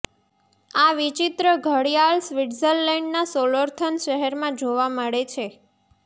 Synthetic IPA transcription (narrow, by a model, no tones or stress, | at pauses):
aʋit͡ʃit̪ɾəɡʱəɽijalsʋiɖzəlːɛɳɖnasoləɾt̪ʰənʃəɦɛɾmãd͡ʒoʋaməɭet͡ʃʰe